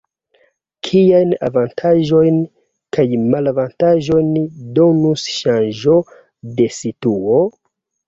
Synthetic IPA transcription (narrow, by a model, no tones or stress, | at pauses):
kʰijajna̰vantʰaʒo̞jn | kajmalavantaʒo̞jndo̞nusʃanʒo̞ | de̞situo̞